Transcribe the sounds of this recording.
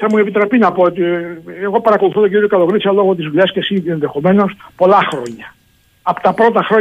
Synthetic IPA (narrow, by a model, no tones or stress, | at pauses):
θamueβit̪ɾapinapo | eɣopaɾakoluθoðekuɾekaloɣɾisalwoɣot̪izβilaskesiendexomẽnospolaxɾo̰ɲa | apt̪apɾot̪axɾo